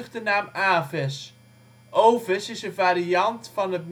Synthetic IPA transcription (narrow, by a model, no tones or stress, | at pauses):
χdənaːmaːvɛs | ʔowvəsɪsənvaːɾiɑntfɑnɦət̚n